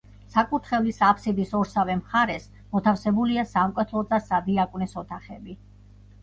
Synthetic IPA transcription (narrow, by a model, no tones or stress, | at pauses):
sakʼuɾt̪ʰχɛvlisapʰsid̪isɔɾsavɛmχaɾɛs | mɔt̪ʰafsɛbuliasamkʼwɛt̪ʰlˠɔzasad̪iakʼnɛsɔt̪ʰaχɛbi